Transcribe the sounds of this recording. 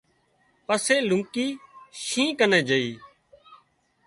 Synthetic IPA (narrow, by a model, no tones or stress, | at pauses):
pəseːlʊŋkiːʃĩːkənẽːd͡ʒəiː